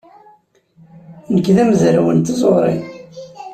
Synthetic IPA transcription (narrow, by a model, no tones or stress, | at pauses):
nəkːðæməzɾawənt̪izˤoʁɾˤḭ